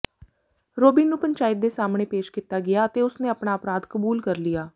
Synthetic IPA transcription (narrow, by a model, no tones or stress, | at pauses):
ɾoːbiːnũːpəɲt͡ʃaːɪt̪̚d̪eːsaːmɳeːpeːʃkit̪ːaːɡɪaːət̪eːʊsneːəpɳaːəpɾaːd̪kəbuːlkəɾlijaː